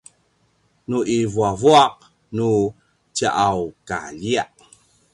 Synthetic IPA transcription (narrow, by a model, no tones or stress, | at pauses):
nuʔivuavuaq̚ | nu | t͡ɕaʔawka̰ʎiaʔ